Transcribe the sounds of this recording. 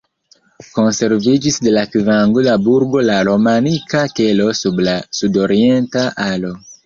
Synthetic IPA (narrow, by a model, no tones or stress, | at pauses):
ko̞nse̞ɾvid͡ʒisde̞lakivaŋɡudabuɾɡo̞laɾo̞manikake̞lo̞sublasudo̞ɾie̞ntaʔalo̞